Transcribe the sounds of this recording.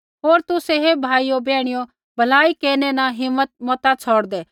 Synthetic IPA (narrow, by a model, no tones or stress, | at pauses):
ɦoːɾt̪ʊseɦebʱaːiobɛːɽ̃ɪjo | bʱɐlaːikeːnenaɦɪmːət̪̚mɔt̪at͡sʰɔːɽd̪ɛː